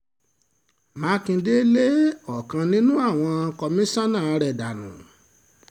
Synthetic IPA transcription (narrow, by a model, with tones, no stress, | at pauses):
mã˨˦kĩ˧de˦le˦ɔ˦˨kã˧nĩ˦nũ˦a˦˨w̃ɔ̃˧˦kɔ˧mĩ˦sã˦nãː˦˨˧ɾɛ˨da˨nṵ̃˨